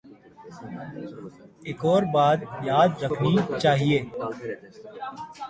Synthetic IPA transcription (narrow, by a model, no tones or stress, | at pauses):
eːkɔːɾbaːd̪jaːd̪ɾəkʰnit͡ʃaːɦieː